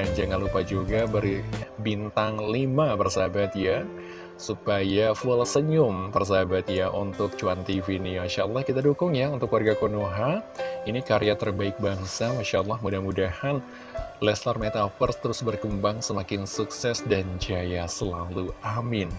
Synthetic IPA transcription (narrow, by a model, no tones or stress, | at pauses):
dand͡ʒaŋanlupad͡ʒuɡabərbint̪aŋlimabərsabat̪̚ja | supajafʊlsəɲʊmpərs̬abat̪̚jaʔunt̪ʊk̚t͡ʃuant̪ivinimaʃaʔəlːɑhkit̪adukʊŋjaunt̪ʊkwarɡakonoɦainikaɾijat̪ərbaɪk̚baŋsamaʃaʔəlːɑhmudahmudahan | lɛslarmet̪afərst̪əɾʊsbərkəmbaŋsəmakɪnsuksɛsdand͡ʒajasəlaluamɪn